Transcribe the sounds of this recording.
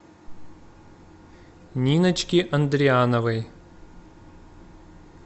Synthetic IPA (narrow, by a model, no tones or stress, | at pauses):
nʲinət͡ɕkʲiʔɐnd̪ɾʲɪanəvɨj